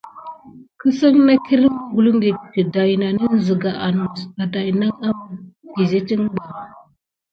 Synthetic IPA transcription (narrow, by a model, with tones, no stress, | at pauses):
kə˦sa˦ŋna˦ki˦ɾi˦mu˨ɡu˨lu˦ŋɡi˨i˨da˨jna˨ni˦n˦zə˨ɡa˨ʔa˨n˨sa˨da˨jna˦ŋa˦mɡi˨ze˦ti˦ŋɡ͡ba˨